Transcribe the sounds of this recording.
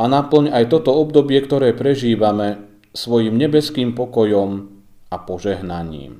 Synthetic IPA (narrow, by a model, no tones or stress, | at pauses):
anapl̩ɲajt̪ɔt̪ɔɔbd̪ɔbɪɛkt̪ɔɾɛːpɾɛʒiːʋamɛ | sʋɔjiːmɲɛbɛskiːmpɔkɔjɔm | apɔʒɛɦnaɲḭːm